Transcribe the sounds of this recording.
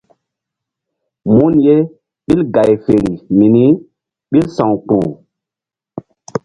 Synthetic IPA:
mu˦nje˦ | ɓi˦lɡa˨jfe˨ɾi˨mi˨ni˦ | ɓi˦lsã˨ŋk͡pu˨

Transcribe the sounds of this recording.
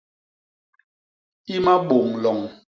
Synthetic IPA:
i˦ma˦ɓo˨ŋlɔ˨ŋ

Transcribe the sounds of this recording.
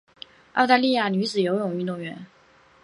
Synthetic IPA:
ɑ˥˧ʊt̪a˥˧li˥˧ja˥˩ny˧˥t͡sɹ̩˨˩jo˧˥ʊɻʊ˨˩ŋy˥˧t̪̬ʊ˥˩ŋɥɛ˧˥n

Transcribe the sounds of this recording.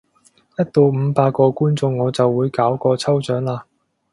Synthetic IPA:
jɐ˥t̚t̪o˧wm̩˨˧paː˧t̚kːɔː˧kuː˥nt͡sʊ˧ŋːɔː˨˧t͡sɐ˨wːuː˨˧jkaː˨˥wkɔː˧t͡sʰɐ˥wt͡ʃœː˨˥ŋlaː˧

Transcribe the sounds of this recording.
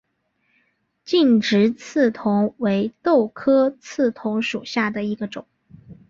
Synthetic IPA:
t͡ɕi˥˩nʈ͡ʂɻ̩˧˥t͡s̩ʰ˥˩t̪ʰʊ˧˥ŋwe˧˥ɪt̪o˥˩ʊkʰɤ˥t͡sʰɹ̩˥˩t̪ʰʊ˧˥ŋʂu˨˩ɕja˥˩d̪ə˩i˧˥ɡə˧ʈ͡ʂʊ˨˩˦ŋ

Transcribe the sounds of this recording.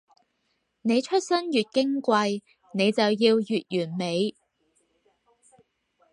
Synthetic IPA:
ne˨˧jt͡ʃʰɵ˥t̚sɐ˥njyː˨t̚kɪ˥ŋkʷɐ˧j | ne˨˧jt͡sɐ˨wjiː˧wjyː˨t̚jyː˨˩nme˨˧j

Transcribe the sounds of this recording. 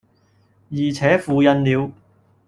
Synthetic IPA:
jiː˨˩t͡sʰɛː˨˥fuː˧jɐ˧nliː˨˧w

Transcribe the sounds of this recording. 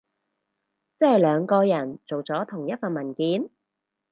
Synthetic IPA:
t͡sɐ˥hɐ˨jlœː˨˧ŋkɔː˧jɐ˨˩nt͡so˨wt͡sɔː˨˥t̪ʰʊ˨˩ŋjɐ˥t̚fɐ˨nmɐ˨˩nkiː˨˥n

